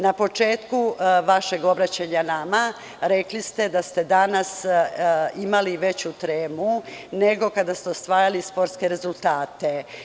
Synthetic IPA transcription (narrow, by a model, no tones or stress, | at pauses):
napo̞t͡ʂe̞ːt̪kuʋaʃe̞ɡo̞bɾat͡ɕeɲanama | ɾe̞klist̪ed̪ast̪e̞d̪anas | imaliʋe̞t͡ɕut̪ɾeːmune̞ɡo̞kad̪ast̪eost̪ʋaːjalispo̞ɾt̪skeɾe̞zulˠt̪aːt̪e̞